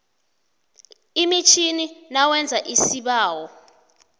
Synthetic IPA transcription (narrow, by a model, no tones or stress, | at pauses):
imit͡ʃʰininawɛnd͡zʱaʔisiɓaːwɔ